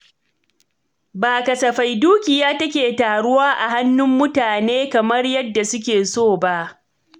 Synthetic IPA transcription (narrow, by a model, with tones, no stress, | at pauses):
baː˨kɐ˨sɐ˨ɸa˨jduː˦kʲɪ˨jaː˦tɐ˦kʲeː˨taː˨ɽʊ˦waː˦ʔa˨ɦa˦nːʊ˦mːʊ˦taː˨neː˦kɐ˨mɐ˦rjɐ˦dːa˨sʊ˦k̬ʲeː˨soː˦˨ba˦ʔ